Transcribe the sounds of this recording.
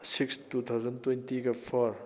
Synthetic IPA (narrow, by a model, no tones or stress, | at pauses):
sikstut̪ʰawzɐntwejntiɡɐpʰɔɾ